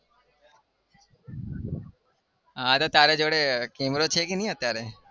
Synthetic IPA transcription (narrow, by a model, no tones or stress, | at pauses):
ãt̪ot̪aɾed͡ʒoɽekemɾot͡ʃʰekinj̃ət̪jaɾe